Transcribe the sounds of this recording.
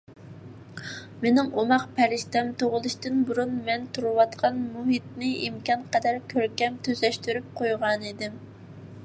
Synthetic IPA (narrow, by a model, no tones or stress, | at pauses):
menɪŋʔomɑqpʰæɾɪʃt̪ɛmt̪ʰoʁʊlˠuʃt̪ɪnbuɾunmɛnt̪ʰuɾɨwɑt̪qʰɑnmuɦit̪̚nɪʔimkʲɑnqəd̪ɛɾkʲʰøɾkʲɛmt̪ʰøzɛʃt̪yɾyp̚qʰojʁɑnid̪ɪm